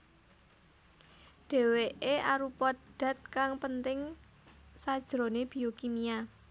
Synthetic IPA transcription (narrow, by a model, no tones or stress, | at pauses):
ɖ̥e̤weʔeaɾupɔd̪̥a̤t̪̚kaŋpənt̪ɪŋ | sad̥ʒ̥ɾoneb̥i̤okimia